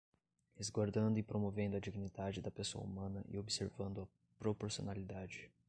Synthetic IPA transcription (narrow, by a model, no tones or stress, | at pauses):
ezɡwaɾd̪ɐ̃nd̪ʊɪpɾomovẽnd̪ʊɐd͡ʒiɡinid̪ad͡ʒɪd̪ɐpeso̰ɐ̰ṵmɐ̃nɐʔɪ̰obiseɾvɐ̃nd̪ʊɐ | pɾopoɾsio̰nalid̪ad͡ʒɪ